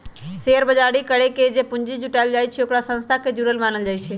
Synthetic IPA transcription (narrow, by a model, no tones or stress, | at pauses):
seəɾbəd͡ʒaɽikəɽeked͡ʒepund͡ʒid͡ʒuʈajld͡ʒajt͡ʃʰɛokɾasə̃nst̪ʰaked͡ʒuɾəlmanəld͡ʒajt͡ʃʰɛ